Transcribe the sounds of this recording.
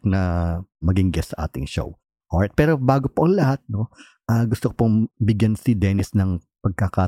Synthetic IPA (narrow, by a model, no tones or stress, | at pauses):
nɐmɐɡɪŋɡɛssɐʔa̰ːt̪ɪŋʃo̰w | ʔoɹt̪̚pɛːɾobaːɡopoʔɐŋlɐhat̪̚no̞ | ʔaːɡʊst̪okopoŋbɪɡjansɪd̪ɛːnɪsnɐŋpɐɡ̚kɐkaː